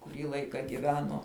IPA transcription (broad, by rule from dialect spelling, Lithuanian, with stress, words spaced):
kʊˈrʲiː ˈlˠɐɪkɐ ɡʲɪˈʋʲæːnoː